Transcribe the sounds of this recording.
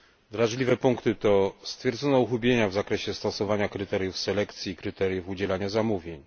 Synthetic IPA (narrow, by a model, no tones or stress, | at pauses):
d̪ɾaʐlʲivɛpuŋkt̪ɘt̪ɔst̪fʲjɛɾd̪zɔnɔuxubʲjeɲavzakɾɛɕɛst̪ɔsɔvaɲakɾɘt̪ɛɾjufsɛlɛkt̪sʲjiːkɾɘt̪ɛɾʲjufud͡ʑɛlaɲazamuvʲjeɲ